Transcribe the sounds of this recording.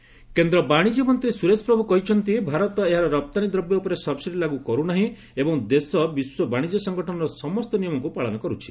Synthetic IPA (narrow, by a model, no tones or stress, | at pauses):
kend̪ɾɔbaɽ̃id͡ʒɔmɔnt̪ɾisuɾespɾɔbʱukɔɦit͡ʃʰɔnt̪ibʱaɾɔt̪ɔeɦaɾɔɾɔp̚t̪anid̪ɾɔbjɔupɔɾesɔbsiɾilaɡukɔɾunaɦĩ | ebɔŋd̪esɔbiswɔbaɽ̃id͡ʒɔsɔŋɡɔʈʰɔnɔɾɔsɔmɔst̪ɔnijɔmɔŋkupaɭɔnɔkɔɾut͡ʃʰi̥